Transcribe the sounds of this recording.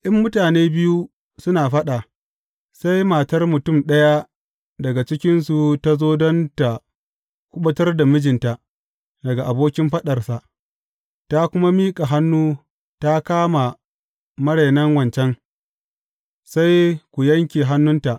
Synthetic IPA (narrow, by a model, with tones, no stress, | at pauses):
ʔɪ˦mːʊ˦taː˨neː˦bɪ˦ju˦ | sʊ˦naː˨ɸɐ˦ɗa˨ | sa˦jma˨tɐ˦rmʊ˨tʊ˦˨mɗɐ˦ja˦ | dɐ˨ɡa˨t͡ʃɪ˦kʲɪ˦nsu˨ta˦zoː˦dɔ˦nta˨ | kʷʊ˦ɓɐ˦tɐ˦rda˨mɪ˦d͡ʒɪ˨nta˨ʔ | dɐ˨ɡa˨ʔa˨boː˦kʲɪ˦mɸɐ˦ɗɐ˨rsa˨ʔ | ta˦kʷʊ˦ma˦miː˦kʼa˨ɦa˦nːuː˦ | ta˦kaː˦ma˨ | mɐ˦ɽe˨nɐ˦ŋwɐ˨nt͡ʃɛ˦ŋ | sa˦jkʷu˨jɐ˦ŋkʲi˨ɦa˦nːʊ˦nta˨ʔ